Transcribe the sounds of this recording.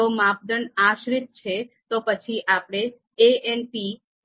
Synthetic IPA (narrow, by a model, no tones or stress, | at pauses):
omap̚d̪əɳaʃɾit̪̚t͡ʃʰet̪opət͡ʃʰiʔapɽ̃e | eenpi